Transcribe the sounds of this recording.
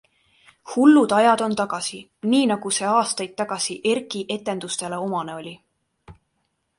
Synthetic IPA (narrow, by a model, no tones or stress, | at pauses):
hulːud̪̥ɑjɑd̪̥o̞nt̪ɑɡ̥ɑsi | niːnɑɡ̥use̞ɑːst̪ɑjd̪̚t̪ːɑɡ̥ɑsiʔe̞rkiʔe̞t̪ːˑe̞nd̪̥ust̪e̞le̞o̞mɑne̞o̞lʲi